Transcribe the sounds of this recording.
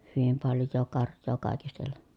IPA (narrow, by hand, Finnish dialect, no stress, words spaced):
hyʋim pɑljˑoː kɑrjˑoː kɑˑikistelːen̥